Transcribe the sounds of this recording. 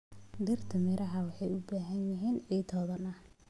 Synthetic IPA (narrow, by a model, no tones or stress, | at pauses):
d̪ɪrt̪ʰɐmɛɾɐɦɐwɑħɑjʊbaːɦɐnjɐɦiːnɛjt̪ʰɔːðɐnɐh